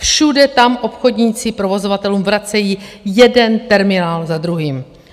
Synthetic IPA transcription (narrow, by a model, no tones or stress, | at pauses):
fʃudɛt̪amʔo̞pxo̞dɲiːt͡sɪpɾo̞vo̞zovat̪ɛluːmvɾat͡sɛjiːjɛdɛnt̪ɛɾmɪnaːlzad̪ɾuɦiːm